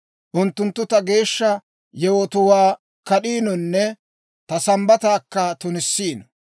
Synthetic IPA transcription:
ʔʊnt̪ːʊnt̪ːʊt̪ɐɡe̞ːʃːɐ | jɛwot̪ʊwaː | kɐɗiːnɔnːɛ | t̪ɐsɐmbɐt̪aːkːɐt̪ʊnɪsːiːnɔ

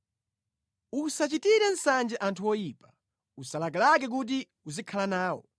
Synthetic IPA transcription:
usat͡ʃitiɾɛn̩sand͡ʒɛʔantʰuwɔjiːpḁ | usalak̬alak̬ɛk̬ut̬i | uzikʰalanaːwɔ̰

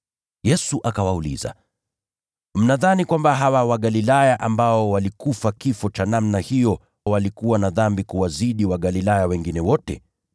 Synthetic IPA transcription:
jɛsuʔakawaulḭza̰ | m̩naðanikwambaɦawawaɠalilajaʔambaɔwalikufakifɔt͡ʃanamnahijɔ | walikuwanaðambikuwaziɗiwaɠalilajawɛŋɡinɛwɔtɛ̰

